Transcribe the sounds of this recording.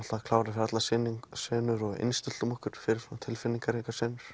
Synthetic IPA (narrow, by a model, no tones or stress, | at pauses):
t̪akʰlaːwɾɪfɪɾat̪lasɪniŋsɛːnʏɾɔɣḛnst̪ɪl̥t̪umɔhkʏɾ̥fɪɾɪ̥at̪ʰɪlfɪnːiŋkaɾikasɛːnʏ̥ɾ̥